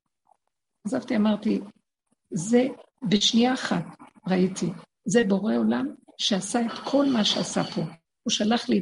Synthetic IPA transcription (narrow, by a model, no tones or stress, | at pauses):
azavt̪iamaʁt̪i | ze | beʃnijaːχat | ʁaitʰi | zebo̞ʁe̞o̞lamʃeasae̞t̪kʰo̞lmaʃeasa̰pʰo̞ | uʃalaχli